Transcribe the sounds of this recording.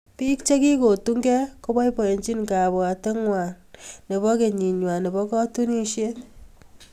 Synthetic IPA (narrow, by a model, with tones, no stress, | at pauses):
pi˦kt͡ʃe˦ki˦ko˨tu˦ŋɡɛ˦ko˦bɔ˦i˦pɔ˨e˨ɲt͡ʃi˦nka˨ba˨te˦ŋwa˨nne˨βɔ˦ke˨ɲi˨ɲwa˨ne˨bɔ˦kɔ˦tu˦ni˦ʃje˦